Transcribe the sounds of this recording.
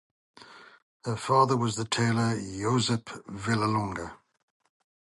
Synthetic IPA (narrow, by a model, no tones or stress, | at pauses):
həfɑːðəwɒzðətʰeɪləjoʊzəfvɪləlɔ̃ŋɡə